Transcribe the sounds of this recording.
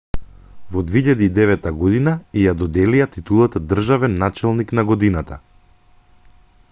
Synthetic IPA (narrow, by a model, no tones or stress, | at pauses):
vɔd̪veiʎad̪iːd̪ɛvɛt̪ːaɡɔd̪inaijad̪ɔd̪ɛlijat̪it̪ulˠat̪d̪r̩ʒavɛnːat͡ʃɛlˠniknaɡɔd̪inat̪a